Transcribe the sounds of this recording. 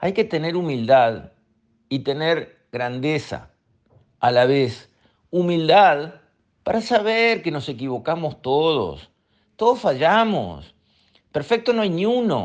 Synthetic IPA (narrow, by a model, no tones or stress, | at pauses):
ajke̞t̪e̞ne̞ɾumild̪að | it̪e̞neɾ | ɣɾand̪esa̰ | alaβes | umild̪að | paɾasaβeɾkeno̞se̞k̬iβo̞kamo̞st̪oð̞o̞̰s | t̪o̞ðosfaʒamo̰s | peɾfek̚t̪o̞noajnjuno̰